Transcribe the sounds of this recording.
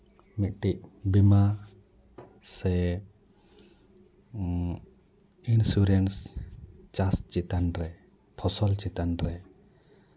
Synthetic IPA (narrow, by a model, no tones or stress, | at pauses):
mit̪̚ʈiʔ̚bima | sɛ | insuɾɛns | t͡ʃast͡ʃit̪anɾɛ | pʰɔsɔlt͡ʃit̪anɾɛ